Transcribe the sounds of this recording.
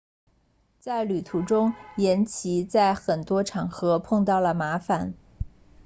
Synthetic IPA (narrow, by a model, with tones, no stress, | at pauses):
t͡sa˥˩ɪly˨˩t̪ʰu˧˥ʈ͡ʂʊ˥ŋjɛ˧˥nt͡ɕʰi˧˥t͡sa˥˩ɪxə˨˩nt̪wɔ˥ʈ͡ʂʰɑ˨˩ŋxɤ˧˥pʰɤ˥˧ŋt̪ɑ˥˩ʊlə˩ma˧˥fa˨˩˦n